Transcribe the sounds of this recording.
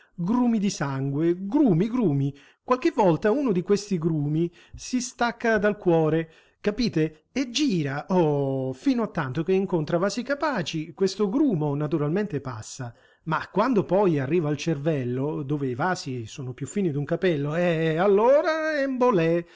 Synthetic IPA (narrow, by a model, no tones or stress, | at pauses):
ɡɾuːmid̪isaŋɡweɡɾuːmiɡɾuːmi | kwalk̟evːɔlt̪aunod̪ikwest̪iɡɾuːmi | sist̪akːad̪alkwɔːɾe | kapiːt̪e | ed͡ʒːiːɾaʔofiːnoat̪ːant̪ok̟eiŋkont̪ɾavaːsikapaːt͡ʃikwest̪oɡɾuːmonat̪uɾalment̪epa̰sːa | makːwand̪opɔjarːiːvaːlt͡ʃervɛlːod̪oːveivaːsisoːnopjufːiːnid̪uŋkapɛlːoɛalːoːɾaɛmbolɛ